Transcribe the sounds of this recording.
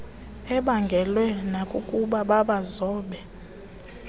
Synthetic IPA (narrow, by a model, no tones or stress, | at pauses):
ɛɓaŋɡʱɛlwɛnakʼukʼuɓaɓaɓazɔːɓɛ